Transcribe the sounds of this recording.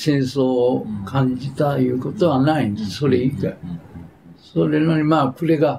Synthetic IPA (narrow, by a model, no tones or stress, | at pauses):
sẽ̞ɰ̃so̞ːkʰãɲd͡ʑit̪ajɯ̟ːko̞t̪o̞βanaĩnd̪esso̞ɾeika | soɾenoɲimaːkɯɾeɡa